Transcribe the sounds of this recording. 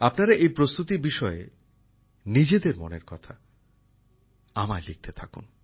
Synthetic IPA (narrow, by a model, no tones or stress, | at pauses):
apnaɾaʔejpɾost̪ut̪ibiʃɔe | nid͡ʑed̪eɾmo̰nḛɾkɔt̪ʰa | amaelik̚t̪ʰet̪ʰakṵn